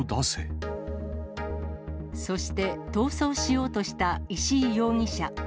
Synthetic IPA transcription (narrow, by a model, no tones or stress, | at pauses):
d̪asḛ | so̞ɕi̥t̪e̞t̪o̞ːso̞ːɕijo̞ːt̪o̞ɕi̥t̪aiɕiːjo̞ːɲ̟iɕa